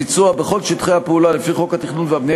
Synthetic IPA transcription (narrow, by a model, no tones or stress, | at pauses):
it͡suabe̞χo̞lʃit̪χeapeulale̞fiχo̞kat̪iχnunveabne